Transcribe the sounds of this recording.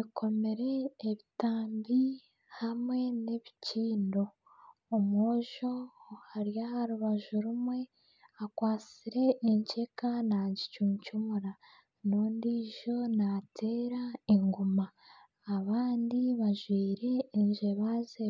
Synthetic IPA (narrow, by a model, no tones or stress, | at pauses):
ikʰo̞me̞ɾe̞ːβitaːmbi | hamŋe̞ne̞βiciːndo̞ | omoːʒo̞haɾjahaɾuβaʒuɾumwe̞ | akwaːt͡siɾe̞ʔiɲce̞kanaɟit͡ʃumucumuɾa | noːndiʒo̞natʰe̞ːɾaeŋɡumaː | βaːndiβaʒwiːɾe̞ːɲʒe̞βaze